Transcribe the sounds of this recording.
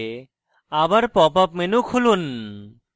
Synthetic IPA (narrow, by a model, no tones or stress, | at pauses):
abaɾpɔpapmenukʰulun